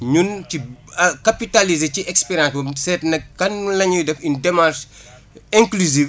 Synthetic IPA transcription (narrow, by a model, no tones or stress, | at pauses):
ɲuncikɐpitalizeciʔɛkspɛɾjãnsbɐmsɛtnɐk̚kɐnlɐɲudɛfindɛmaɾʃ | ɛ̃ŋkluzi